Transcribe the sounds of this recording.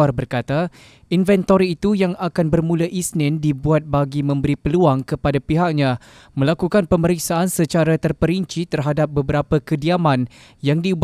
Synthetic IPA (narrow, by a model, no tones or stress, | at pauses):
arbərkat̪a | infɛnt̪oɾiːt̪ujaŋakanbərmũlaʔisnɪndibuat̪̚baɡimə̃mbəɾipəluaŋkəpadapiɦak̚ɲã | mə̃lakukanpəməɾiksaʔansət͡ʃaɾat̪ərpəɾiɲt͡ʃit̪ərɦadap̚bəbəɾapəkədiamãn | jaŋdiub